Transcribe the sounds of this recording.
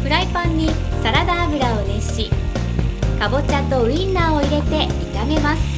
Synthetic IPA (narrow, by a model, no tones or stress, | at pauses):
pɯ̟ɾaipãɲ̟ːi | saɾad̪aːbɯ̟ɾao̞ne̞ɕi | kabo̞t͡ɕat̪o̞ɯ̟inːaːo̞iɾe̞t̪e̞it̪aɡe̞masɨ̥